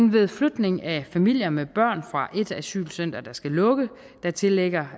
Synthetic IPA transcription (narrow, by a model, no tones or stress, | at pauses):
enʋe̝ðˠflud̥ne̝ŋæfæmil̰jɐmeb̥ɶɐ̰nfʁɑ̈ʔe̝d̥æsy̰ːlsøn̰d̥ɐd̥ɑ̈sɡ̥ælɔ̽ɡ̥ə | d̥ɑ̈t͡sʰe̝leɡ̥ɐ